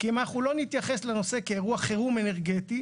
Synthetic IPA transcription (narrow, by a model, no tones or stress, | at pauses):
kemaχulo̞nit̪jaχe̞sleno̞se̞keːʁuaχeʁumeneʁɡet̪i